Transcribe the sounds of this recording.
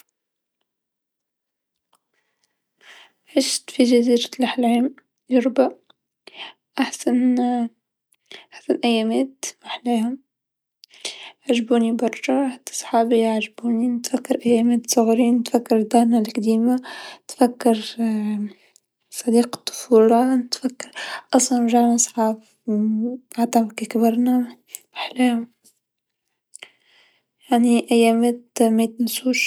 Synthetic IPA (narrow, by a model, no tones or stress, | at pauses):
ʕɪʃt̪fiʒæziːɾlaħlʕiːm | ʒʊɾba | ʔaħsan | ʔaħsanʔæjːæːmɛːt̪waħliːhʊm | ʕaʒbuːnibɑɾˤʃɑħt̪ːsˤħɑːbiʕʒbuːnint̪fækːɑɾʔæjːæːmɛːt̪sˤʊɣɾiːnt̪fakːɑɾd̪ahnalkd̪iːmat̪fækːɑɾ | sˤɑd̪iːqɑ̥t̪ˤːʊ̥fuːlɑnɪt̪fækːɑɾʔɑsˤlɑnʒaɾnɑsˤħɑːb | aʕt̪ˤɑbkikbɑɾˤnæ | aħleːhʊm | jaʕniʔæjːæːmæːt̪mæt̪nsuːʃ